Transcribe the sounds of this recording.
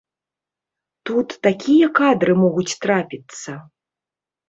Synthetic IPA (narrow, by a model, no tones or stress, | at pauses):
t̪ut̪ːakʲijɐkad̪ɾɨmɔɣut͡sʲt̪ɾapʲit̪sɐ